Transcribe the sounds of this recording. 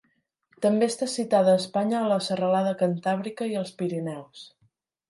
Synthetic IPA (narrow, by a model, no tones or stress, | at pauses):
t̪əmbeəst̪asit̪aðəːspaɲəːləsərəlaðəkənt̪aβ̞ɾikəiəlˠspiɾinɛws